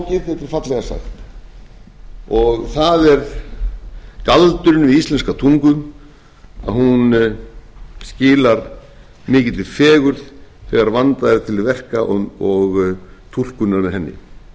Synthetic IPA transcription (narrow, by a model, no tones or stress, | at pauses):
cɪɾθɛt̪ːɪɾ̥fat̪lɛɣasa̰xt̪ | ɔɣθaðɛɾ | kalt̪ʏɾɪnʏvɪðist̪lɛnskat̪ʰuŋkʏm | a̰ðhun | scɪːlaɾ | mɪːcɪt̪lɪ̥fɛːɣʏɾðθɛɣaɾvant̪aðɾɪt̪ʰɪlɪvɛr̥kaʔɔɣt̪ʰul̥kʏnːaɾmɛðɦɛnːɪ̰